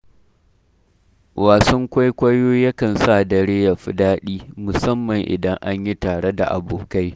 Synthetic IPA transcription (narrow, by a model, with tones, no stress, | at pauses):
waː˨sɔ˦ŋkʷa˦jkʷɐ˦joː˦jɐ˦kɐ˨nsa˦˨dɐ˨ɽeː˦ja˨ɸɪ˦daː˦ɗiː˦mʊ˨sɐ˦mːɐ˨ŋʔɪ̰˨dɐ˦ŋʔa˦ɲji˦taː˨ɽe˦da̰˨ʔa̰˨boː˨ka˦j